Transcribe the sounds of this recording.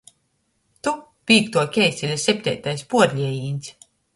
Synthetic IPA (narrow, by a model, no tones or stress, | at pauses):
t̪u | pʲiːkt̪uɔkʲɛjsʲilʲasʲɛp̚ʲt̪ʲɛ̰jt̪ajspuɔd̪lʲiɛjiːnʲsʲ